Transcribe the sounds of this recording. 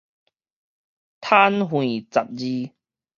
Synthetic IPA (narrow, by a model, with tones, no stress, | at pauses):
t̪ʰa˦˥nɦwĩ˨˩t͡sa˨p̚zi˧